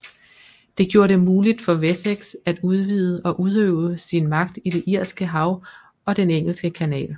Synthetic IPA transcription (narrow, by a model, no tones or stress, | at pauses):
d̥e̝ɡ̥jo̝ːɐɾe̝muːlid̥fɒ̽ʋeseɡ̥sæd̥uð̞ˠʋiːðˠəʔɒ̽ʔuð̞ˠøʊsinmɑ̈ɡ̥̚d̥id̥e̝ʔiɐ̰sɡ̥əɦɑ̈ʊ | ɒ̽d̥eneŋ̰l̩sɡ̥əkʰænɛ̰ːl